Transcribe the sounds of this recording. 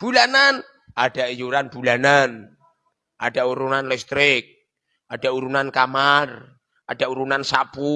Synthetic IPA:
b̥ulanan | ad̥aʔjuɾanb̥ṳlanan | ʔad̥a̤ʔuɾunanlɛst̪ɾɪk̚ | ad̥aʔuɾunankamar | ʔad̥aʔuɾunansapu

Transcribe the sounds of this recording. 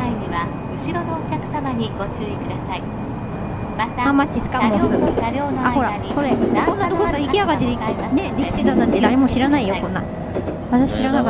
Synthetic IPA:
aiɲ̟iβa | ɯ̟ɕiɾo̞noːkʲakɯ̟̥samaɲ̟iɡ̥o̞t͡ɕɨːikɯ̟d̪asai | amat͡ɕisɨ̥kamõsɨaho̞ɾa | ko̞ɾe̞kõ̞nːat̪okosãikʲiaɡat̪ːeene̞d̪e̞kʲi̥t̪e̞t̪anːãnt̪ed̪aɾe̞mo̞ɕiɾanaijo̞kõ̞nːa̰ | βat̪aɕi̥ɕiɾanaka

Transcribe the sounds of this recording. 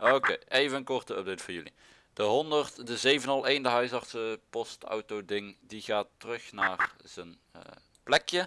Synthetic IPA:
ʔokejejvəənkɔrtəøb̚dejtfɔːɹjɵlḭ | d̥əɦɔndərtdəzejvənɑlˠejndəɦœɥsɑrtsəpɔstɔ̰wtodɪŋdiɣaːtːərɵxnaːrz̥ən̰ | plɛkjə

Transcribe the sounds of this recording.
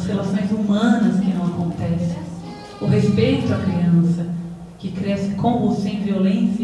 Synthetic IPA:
shelasõj̃zumɐ̃nɐskɪnɐ̃w̃akõnt̪ɛsẽj̃ | ʊɦespejt̪ʊɐkɾiɐ̃sɐ | kɪkɾɛsɪkõvusẽj̃violẽs

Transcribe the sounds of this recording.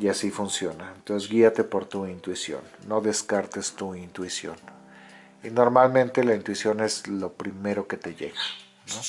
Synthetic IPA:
jasifunsjo̞naent̪onsezɡiat̪e̞po̞ɾt̪uint̪wisjo̞̰nːo̞ðe̞skaɾt̪e̞st̪uint̪wisjo̞̰n | ino̞ɾmalmẽ̞nt̪e̞laint̪wisjo̞ne̞zlo̞pɾime̞ɾo̞ke̞t̪e̞ʝe̞̰ɣḁ | no̞

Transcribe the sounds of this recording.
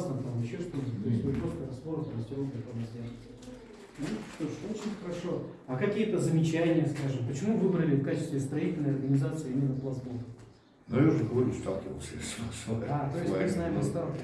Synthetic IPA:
snəmt̪amjɪɕːost̪ot̪oɪsʲt̪ʲmɨpɾost̪əɾɐst̪oɾəsɾɐsʲtʲok̪ʲɐt̪oləsʲtʲaz | nuʂt̪oʂot͡ɕɪnʲxəɾɐʂo̞ | ɐkɐkʲijət̪əzəmʲɪt͡ɕænʲɪjəskaʐɨmpət͡ɕɪmuvɨbɾəlʲɪfkat͡ɕɪst̪vʲɪst̪ɾɐitʲɪlʲnəjɐrɡənʲɪzat̪sɨimʲɪnːəplˠɐsbot̪ | nujauʐəɡəvɐɾʲust̪a̰lˠkʲɪvə̰lˠsʲəsasd̪at̪ojɪsʲmɨznaɪmɐst̪a

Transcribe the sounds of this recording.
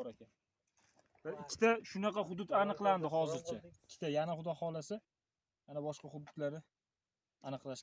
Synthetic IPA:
ɾaan | b̥ɪɾɪkʲʰːɪ̥t̪ʰaʃʊnɑqɑhʊd̪ʊt̪anɨqlˠand̪ɪɦɒzɪɾt͡ʃʰaɪkʲʰːɪ̥t̪ʰajanaχʊd̪ɒhɒlasɪ | janabɒʃqɑhʊd̪ːʊd̪laɾɪ | anɨqlaʃ

